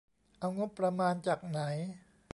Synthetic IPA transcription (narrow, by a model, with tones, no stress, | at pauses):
ʔa˧wŋo˦˥pːɾa˧maː˧nt͡ɕaː˨˩k̚na˩˦j